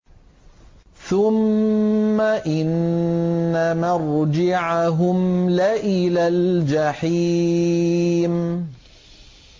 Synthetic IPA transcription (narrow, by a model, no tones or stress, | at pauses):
θʊmː | aʔɪnː | amaɾˤd͡ʒɪʕaɦʊmlaʔɪlaːld͡ʒaħi | m